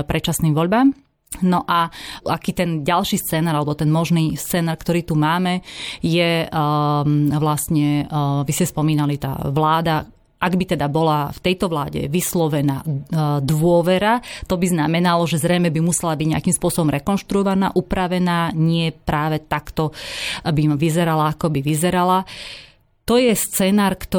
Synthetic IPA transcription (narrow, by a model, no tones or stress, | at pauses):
pɾʔɛt͡ʃasniːmʋɔʎbaːm | nɔʔaakiːt̪ɛnɟalʃiːst͡sɛːnaːɾalɛbɔt̪ɛnmɔʒniːst͡sɛːnaːɾkt̪ɔɾiːt̪umaːmɛjɛ | ʋlast̪ɲɛʋiscɛspɔmiːnalit̪a̰ːʋlaːd̪a | ʔaɡbit̪ɛd̪abɔlaft̪ɛjt̪ɔʋlaːɟɛ̰ʋislɔʋɛna̰ːd̪ʋʊɔʋɛɾat̪ɔbiznamɛnalɔʒɛzɾɛjmɛbimusɛlabiɟɲeakimspʊɔsɔbɔmɾɛkɔnʃt̪ɾuɔʋana̰ːʔupɾaʋɛnaːɲɪɛpɾaːʋɛt̪akt̪ɔbimʋizɛɾalaakɔbiʋizɛɾala | t̪ɔjɛst͡sɛnaːɾkt̪ɔ